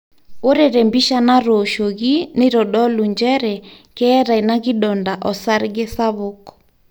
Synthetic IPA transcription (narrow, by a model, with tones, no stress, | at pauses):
o˦ɾɛ˨ɾɛ˨mbi˦ʃa˦na˦ɾoʃo˨ɣi˦nɪ˦ɾɔ˨ɗɔ˦lu˨ɲd͡ʒɛ˦ɾɛ˨kɛː˦ɾa˨i˨na˦ɣɪ˦ɗɔ˨nda˨ʔɔ˨sa˦ɾɣe˦sa˦βokɔ̥˨